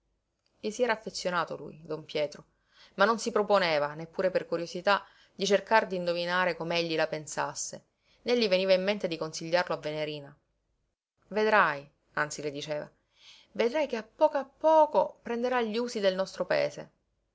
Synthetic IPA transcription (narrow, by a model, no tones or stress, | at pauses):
ʎisiɛːɾaːfːet̪sːjonaːt̪o̰lṵjd̪ompjɛːt̪ɾo | manːonsipɾoponeːvanepːuːɾeperkuɾjosit̪a | d̪it͡ʃerkard̪ind̪ovinaːɾekomeeʎːilapensa̰sːe | neʎːiveniːvaimːent̪ed̪ikonsiʎːarloavːeneɾiːna | ved̪ɾaj | ant̪siled̪it͡ʃeːva̰ | ved̪ɾajkeapːɔːkoapːɔːkopɾend̪eɾaʎːuːzid̪elnɔst̪ɾopaḛːsḛ